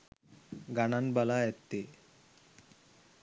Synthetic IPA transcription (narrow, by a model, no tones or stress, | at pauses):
ɡananbalaɛt̪ːe